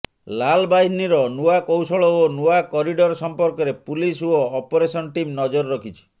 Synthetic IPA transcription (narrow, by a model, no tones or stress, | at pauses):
lalbaɦiniɾɔnuakowsɔɭɔonuakɔɾiɖɔɾsɔmpɔɾkɔɾepulisuɔːpɔɾesɔnʈimnɔd͡ʒɔɾːɔkʰit͡ʃʰi̥